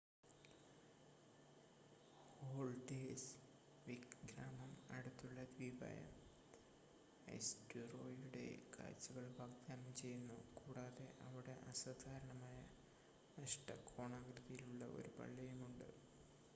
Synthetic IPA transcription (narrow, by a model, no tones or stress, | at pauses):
hoːɭɖes | ʋiɡɾaːmɐmɐ̰ɽut̪ːuɭːɐd̪ʋiːbʱa̰ːjɐ̰ | ḛsduro̞ːjuɽe̞̰ka̰ːɾt͡ɕːuɣɐɭbʱaːɡ̚d̪aːnɐmt͡ɕe̞junːukuːɽaːðe̞ʔɐʋiɽe̞ʔɐsɐːd̪ʱaːɾɐɳɐmaːjɐ | nɐʂʈɐkʰoːɳaːɡɾiðɐjiluɭːɐʔo̞̰ɾupɐ̰ɭːɐjumuɳɖɨ̰